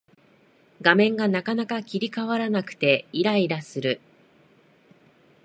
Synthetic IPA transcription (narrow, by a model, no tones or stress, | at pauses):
ɡamẽ̞ŋɡanakanakakʲiɾʲikaβaɾanakɯ̟̥t̪e̞iɾaiɾasɨɾɯ̟